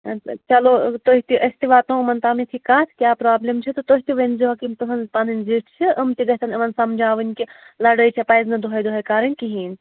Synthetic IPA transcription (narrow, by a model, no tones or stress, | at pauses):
t͡ʃɐlot̪oːɦit̪iʔɐsʲt̪iʋaːt̪õmɐnt̪aːmit̪ʰikaːt̪ʰkʲjaːpɾaːblʲemt͡ʃʰit̪ot̪oɦit̪iʋɐnzuɦɐkimp̪ɐsɐnzpaːnɨnʲziːʈʰt͡ʃʰiʔɐmt̪iɡɐɦʲt̪ʰɐnɐmɐnsɐmd͡ʒaːʋɨnʲkilɐɽɐjt͡ʃʰipɐjznɐd̪uɦɐjd̪uɦɐjkaːɾɐnʲkiɦiːnʲ